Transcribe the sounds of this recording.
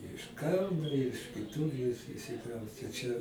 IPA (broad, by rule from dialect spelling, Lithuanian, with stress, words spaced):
ɪʃ ˈkɐʊnoː ɪʃ kʲɪˈtʊr ɪ ɪʃʲsʲɪˈkrɐʊsʲtʲɛ t͡ʃʲɛ